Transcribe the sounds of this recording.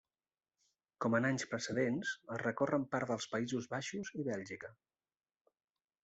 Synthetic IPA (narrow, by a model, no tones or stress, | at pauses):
kɔmənaɲspɾəsəðensərəkorəmpaɾd̪əlˠspəizuzβaʃuziβɛlˠʒikə